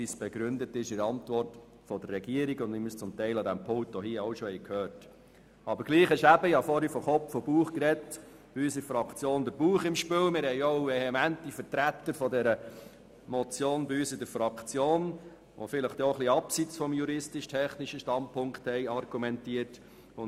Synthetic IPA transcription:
pisb̥ɛɡɾʏndətɪʃɪɾɑntʋɔrt | fɔd̪ərːɛɡiəɾiɡʊndɪmyst͡sʊmtɛɪlɑdæmpʰɔltːɔhiəɔʊʃɔhɛɪjkʰhøːɾt | ɑbəɾɡliːχɛʃæbəɪhɑfɔɾifɔχɔpfɔb̥uːχkɾɛt | b̥iyːsɪfɾɑkt͡sjoːnd̥̪əɾb̥uːχɪmʃpɪlmɪɾhɛɪoʊvɛhɛmæntifəɾtɾæt̪ːəɾfɔdɛɾə | mɔt͡sjoːnbiyːsɪdəɾfɾɑkt͡sjoːn | ʋʔo̰fɪləχd̥̪oχliɑpsit͡sfɔmjuɾɪstɪʃtʰɛχnɪʃəʃtɑnt̚pʰʊŋkthɛɪɑrɡ̥umɛntiət | ʊn

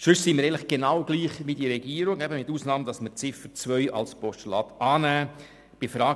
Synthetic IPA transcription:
ʃʉssiːmɪəɾɛlɪχɡ̥enɑwɡliːχʋidiəɾɛɡiːəɾʊŋɛbəmɪtuːsnɑːmd̥ɑsmət͡sɪfət͡sʋœʏʔɑ̰lspɔʃtulɑːtɑːnæː | b̥ɪfɾɑː

